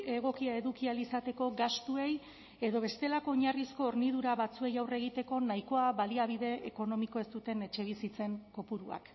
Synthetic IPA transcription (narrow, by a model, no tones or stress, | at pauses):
e̞ɣ̞o̞kiae̞ðukialisat̪e̞ko̞ɡast̪ue̞j | e̞ðo̞β̞e̞st̪e̞lako̞ːɲarisko̞ːɾniðuɾaβat͡sue̞jawre̞ɣ̞it̪e̞ko̞najko̞aβaliaβiðe̞eko̞no̞miko̞e̞st̪ut̪e̞ne̞t͡ʃe̞βisit͡se̞ŋko̞puɾua̰k